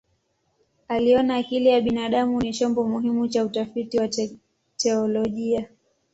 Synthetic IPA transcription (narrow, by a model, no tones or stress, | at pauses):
aliɔnaːkilijaɓinaɗamunit͡ʃɔmbɔmuɦimut͡ʃautafitiwa | tɛɔlɔʄia